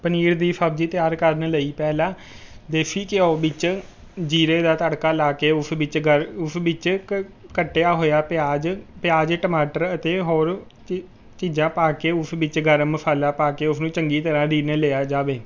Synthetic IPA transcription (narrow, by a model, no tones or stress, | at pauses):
pəniːɾd̪iːsʰəbd͡ʒiːt̪ɪjaːɾkəɾnləiːpɛːlãː | d̪eːpʰiːkɪoːbɪt͡ʃ | d͡ʒiːɾeːd̪aːt̪əɽkaːlaːkeːʊsɪt͡ʃəɾʊsbɪt͡ʃkəʈːejaːɦoːjaːpaːd͡ʒpɪjaːd͡ʒʈəmaːʈəɾət̪eːɦoːɾ | t͡ʃiːd͡ʒãːpaːkeːʊsbɪt͡ʃɡəɾmpʰaːlaːpaːkeːʊsnũːt͡ʃəŋɡiːt̪əɾãːd̪iːnəleːaːd͡ʒaːʋeː